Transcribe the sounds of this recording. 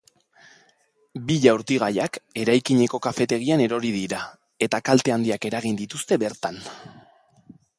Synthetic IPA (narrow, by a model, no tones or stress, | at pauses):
biʎauɾt̪iɣ̞ajake̞ɾajkiɲe̞ko̞kafe̞t̪e̞ɣiane̞ɾo̞ɾiðiɾa | e̞t̪akalt̪e̞and̪iake̞ɾaɣ̞ind̪it̪ust̪e̞βe̞ɾt̪an